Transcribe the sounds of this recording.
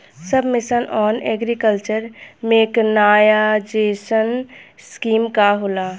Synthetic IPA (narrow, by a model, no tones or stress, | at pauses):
səbʱmɪsənʔɔːnɛɡɾikəlt͡ʃəɾmẽknaːjad͡ʒeːsənskiːmkaɦolaː